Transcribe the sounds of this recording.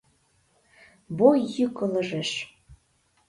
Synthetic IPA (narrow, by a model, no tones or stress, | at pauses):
bojːykɤ̆lɤ̆ʒeʃ